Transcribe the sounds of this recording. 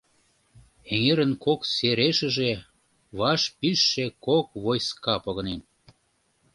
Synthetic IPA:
eŋeɾə̆nkokseɾeʃə̆ʒe | βɑʃpyʃːekok̚βojskɑpoɣɤ̆nen

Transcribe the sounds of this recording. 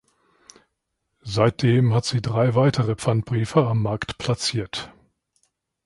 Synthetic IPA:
zaɪt̚d̥eːmɦatz̥iːdʁaɪvaɪtʰəʁəp͡fant̚b̥ʁiːfɐamːaɐktpʰl̥at͡siːɐt

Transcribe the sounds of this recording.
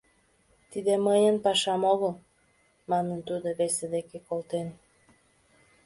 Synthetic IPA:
t̪id̪eməjənpɑʃɑmoɣəl | mɑnənt̪ud̪oβesed̪ekekolt̪en

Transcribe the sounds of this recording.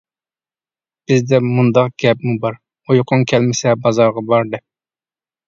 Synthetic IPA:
b̥ɪzd̪ɛmund̪ɑqɡ̥ʲɛpmubɑɾ | ojqʰʊŋkʲʰɛlmɪsɛbɑzɑɾʁɑbɑɾd̪ɛp̚

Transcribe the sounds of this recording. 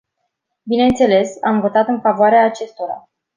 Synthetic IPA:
bine̞nt̪se̞le̞samvo̞t̪at̪ɨnfavoaɾeaːt͡ʃe̞st̪o̞ɾa̰

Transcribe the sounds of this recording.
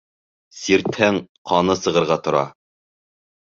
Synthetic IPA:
siɾt̪hæŋqʰɑnɤsɤ̆ʁɤ̆ɾʁɑt̪ŏɾɑ̰

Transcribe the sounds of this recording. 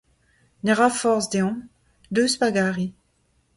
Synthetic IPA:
neʁafɔʁzd̪eɔ̃ | d̪øːspaɡaːʁi

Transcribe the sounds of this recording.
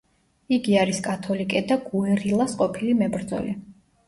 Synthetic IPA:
iɡiaɾiskʼat̪ʰɔlikʼɛd̪aɡuiɾilˠasqʼɔpʰilimɛbɾd̪zɔ̰li

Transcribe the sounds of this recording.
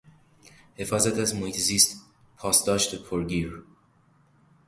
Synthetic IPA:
he̞fɒːzæt̪ʰæzmohiːt̪ʰeziːst̪ | pʰɒːsd̪ɒːʃt̪epʰoɾɡiːɾ

